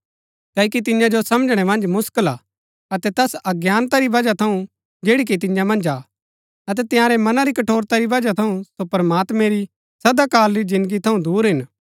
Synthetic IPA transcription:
kɐːk̬it̪̬ɪjãd͡ʒosɐmd͡ʒɽ̃ɛmɐ̃nd͡ʒmʊskəlaː | ɐt̪ɛt̪ɛsɐɡjaːnt̪aɾiʋɐd͡ʒat̪ʰɐũ | d͡ʒeːɽik̬it̪̬ɪjãmɐ̃nd͡ʒaː | ɐt̪̬ɛt̪ɪjãːɾɛmɐnaɾikɐʈʰoːɾt̪aɾiʋɐd͡ʒat̪ʰɐũsopɐɾmaːt̪mɛ̃ɾi | sɐd̪akaːlɾid͡ʒɪ̃nd̪əɡit̪ʰɐũd̪uːɾɦɪn

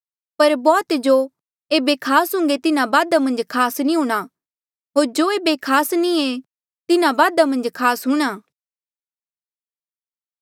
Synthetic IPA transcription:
pɐɾbɔːt̪d͡ʒo | eːbekʰaːsɦʊ̃ŋɡet̪ɪnãbaːd̪amɐ̃nd͡ʒkʰaːsnĩɦũːɽ̃a | ɦoːɾd͡ʒoːeːbekʰaːsnĩe | t̪ɪnãbaːd̪amɐ̃nd͡ʒkʰaːsɦʊɽ̃aː

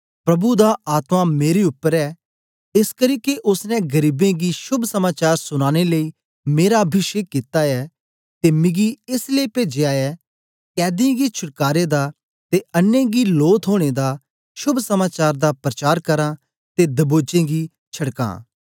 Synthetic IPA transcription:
pɾɐbud̪aʔaːt̪mãmeːɾeʊpːəɾɛ | ɪskəɾiːkeʔʊsnɛ̃ɡɐɾiːbẽɡiʃʊbʱsɐmaːt͡ʃaːɾsʊñaːɽ̃eləiː | meːɾabʱɪʃeːkkːɪt̪aɛ | t̪emɪ̃ɡiɪsleːped͡ʒeaːɛ | kɛːd̪ɪẽɡit͡ʃʰʊʈ̚kaːɾed̪a | t̪eɐnːẽɡiloːt̪ʰɦoːɽ̃ed̪a | ʃʊbʱsɐmaːt͡ʃaːɾd̪apɾɐt͡ʃaːɾkɐɾã | t̪ed̪ɐboːd͡ʒẽɡi | t͡ʃʰɐɽkã̰ː

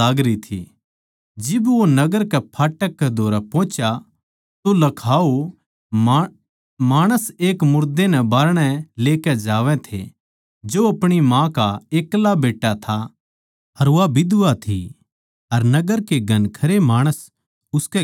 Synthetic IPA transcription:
aːɡɾit̪ʰḭ | d͡ʒɪbʋonɐɡəɾkɛpʰaːʈəkːɛd̪ʱoːɾɛpɔ̃ːt͡ʃja | t̪olɐkʰaːo | maːɽ̃əseːkmʊɾd̪enɛbaːɾɽ̃ɛleːkɛd͡ʒaːʋɛ̃t̪ʰḛ | d͡ʒoɐpɽ̃imãkaeːklabeːʈːat̪ʰa | ɐɾʋabɪd̪ʊat̪ʰḭ | ɐɾnɐɡəɾkeɡɐnkʰɐɾemaːɽ̃əs | ʊskɛ

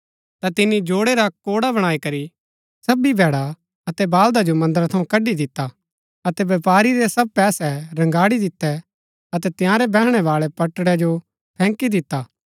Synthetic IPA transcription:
t̪at̪ɪnːid͡ʒoːɽeɾakoːɽabɐɽ̃aːikɐɾi | sɐbibʱɛːɽa | ɐt̪ɛbaːld̪ad͡ʒomɐ̃nd̪əɾt̪ʰɐũkɐɖid̪ɪt̪ːa | ɐt̪ɛʋɐpaːɾiɾɛsɐb̚pɛːsɛɾɐ̃ŋɡaːɽid̪ɪt̪ːɛ | ɐt̪ɛt̪ɪjãːɾɛbɛːɦɽ̃ɛʋaːɭɛpɐʈːɽɛd͡ʒo | pʰɛ̃ːŋkid̪ɪt̪ːaː

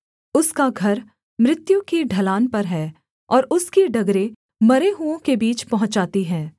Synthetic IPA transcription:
ʊskaɡʱɐɾ | mɾɪt̪jũkiɖʱɐlaːnpɐɾɦɛː | ɔːɾʊskiɖɐɡɾe | mɐɾeɦuõkebiːt͡ʃpɐɦʊ̃t͡ʃd͡ʒaːt̪iɦɛ̃ː

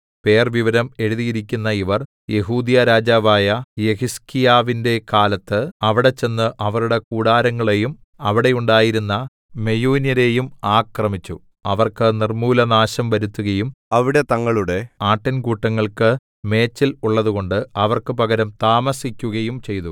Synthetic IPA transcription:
pe̞ːrʋiʋɐɾɐme̞ɻuðijiɾikʲːunːɐiʋɐr | je̞ɦuːd̪ijɐɾaːd͡ʑaːʋaːjɐje̞hiskijaːʋinde̞kaːlɐt̪ːɨɐʋiɽe̞t͡ɕe̞nːɨʔɐʋɐɾuɽe̞kuːɽaːɾɐŋːɐɭe̞jum | ɐʋiɽe̞juɳɖaːjiɾunːɐ | me̞juːnjɐɾe̞ːjumaːkrɐmit͡ɕːu | ɐʋɐrkɨnirmuːlɐnaːɕɐmʋɐɾut̪ːuɣɐjumɐʋiɽe̞t̪ɐŋːɐɭuɽe̞aːʈːɐnkuːʈːɐŋːɐɭkɨ | me̞ːt͡ɕːiluɭːɐðuɣo̞ɳɖɨɐʋɐrkɨpɐɣɐɾɐmt̪aːmɐsikʲːuɣɐjumt͡ɕe̞jt̪u

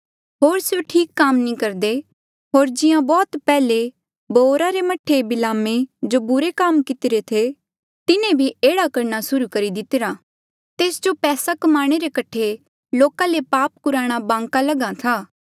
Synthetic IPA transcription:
ɦoːɾsjoʈʰiːkːaːmnĩkɐɾd̪e | ɦoːɾd͡ʒɪjãbɔːt̪pɛːle | boːɾaɾemɐʈʰebɪlaːmed͡ʒobʊɾekaːmkɪt̪ɪɾet̪ʰe | t̪ɪnẽbʱieːɽakɐɾñasʊɾukɐɾid̪ɪt̪ɪɾaː | t̪eːsd͡ʒopɛːsakɐmaːɽ̃eɾekɐʈʰe | loːkãlepaːp̚kʊɾaːɽ̃abãːŋkalɐɡat̪ʰaː

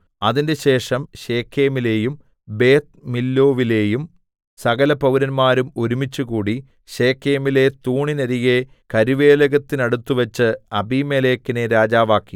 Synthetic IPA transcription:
ɐðinde̞ɕe̞ːʂɐmɕe̞ːkʰːe̞ːmile̞ːjum | be̞ːt̪̚milːo̞ːʋile̞ːjum | sɐɣɐlɐpɐwuɾɐnmaːɾumoɾumit͡ɕːuɣuːɽi | ɕe̞ːkʰːe̞ːmile̞t̪uːɳinɐɾije̞ | kɐɾiʋe̞ːlɐɣɐt̪ːinɐɽut̪ːuʋɐt͡ɕːɨɐbimeːleːkːineɾaːd͡ʑaːʋaːkːi

